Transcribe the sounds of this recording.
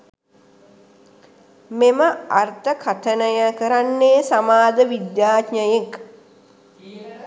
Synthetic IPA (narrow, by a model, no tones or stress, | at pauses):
meməart̪əkʰat̪ənəjəkəɾanːeːsamaːd̪əʋid̪jaːkɲəjek